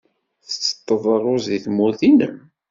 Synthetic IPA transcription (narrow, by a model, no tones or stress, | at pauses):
θə̥t͡sːə̥t̪ˤːəðˤərˤʊziθmuθinə̰m